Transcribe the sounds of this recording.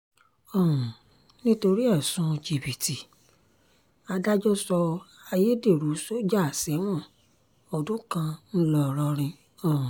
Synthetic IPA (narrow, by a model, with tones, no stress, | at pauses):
ɔ˦˨ũ˨ | nĩ˦to˧ɾi˦ɛ˦˨sũ˦˧d͡ʒi˨bi˨ti˨ | a˧da˦d͡ʒɔ˦sɔ˧ | a˧je˦de˦˨ɾu˨˦so˦d͡ʒa˦˨sɛ˨˦w̃ɔ̃˦˨ | ɔ˨dũ˨˦kã˧n̩˦lɔ˧˨ɾɔ˧ɾ̃ĩ˧ | ɔ̃˨